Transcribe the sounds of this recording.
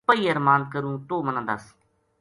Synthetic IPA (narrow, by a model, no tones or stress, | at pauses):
pəiːəɾmãːnd̪̚kəɾũːt̪oːmənãːd̪a̰s